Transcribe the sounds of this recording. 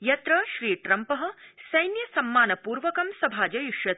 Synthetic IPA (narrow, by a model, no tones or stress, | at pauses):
jɐt̪ɾɐʃɾiːʈɾɐmpɐɦɐ̆sɐjnjɐsɐmːaːnɐpuːɾʋɐkɐmsɐbʱaːd͡ʒɐjuʃjɐt̪̚